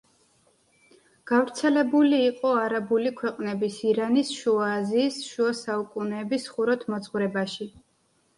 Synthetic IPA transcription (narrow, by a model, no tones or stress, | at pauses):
ɡ̥avɾt̪sʰɛlɛbuliːqʼɔaɾabulikʰwɛqʼnɛbisiɾanisʃuaːziːsʃuasaukʼunɛːbisχuɾɔt̪ʰmɔzʼʁwɾɛbaʃi